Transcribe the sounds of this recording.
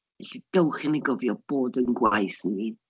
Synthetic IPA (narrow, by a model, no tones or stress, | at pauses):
ɛɬid̥əwχɪnəɡɔvjɔb̥oːdənɡwajsni